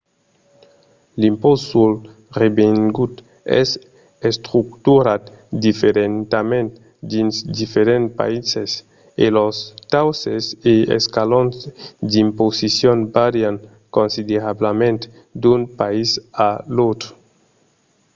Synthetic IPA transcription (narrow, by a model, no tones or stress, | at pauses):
limposul | rebeŋɡut̪ | ḛs | est̪ɾukt̪uɾat̪ | d̪ifeɾent̪amẽnt̪ | d̪insd̪ifeɾentpa̰ises | elost̪awseseḛskalonzd̪imposisjonbaɾjaŋ | konsid̪eɾablamẽnt̪ | d̪unpaisalot̪ɾo